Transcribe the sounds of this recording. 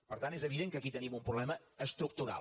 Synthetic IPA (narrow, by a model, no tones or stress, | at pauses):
pəɾt̪anezəβ̞iðeŋkəkit̪ənimumpɾuβlɛməəst̪ɾuk̚t̪uɾa̰l